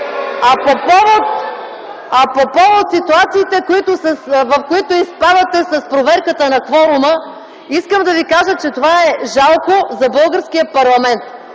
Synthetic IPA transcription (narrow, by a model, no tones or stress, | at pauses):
ɐpopɔvot̪ | ɐpopɔvot̪sit̪uat̪siːt̪ɛkoit̪ʊsɐsvɐfkoit̪ʊispad̪ɐt̪ɛsɐspɾovɛɾkət̪ənɐkvɔɾʊmə | iskəmd̪ɐvikaʒət͡ʃɛt̪ovaɛʒalˠkozɐbɤlˠɡəɾskijəpɐɾlˠɐmɛnt̪̚